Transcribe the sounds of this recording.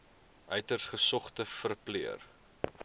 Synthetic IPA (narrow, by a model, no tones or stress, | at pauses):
ʔœɥtərsχəsɔχtəfərpliər